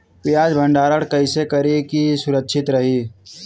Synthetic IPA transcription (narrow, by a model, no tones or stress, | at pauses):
pɪjaːd͡ʒbʱə̃ɳɖaːɾəɽkɐɪsekɐɾekisʊɾəkʃʰɪt̪ɾɐɦiː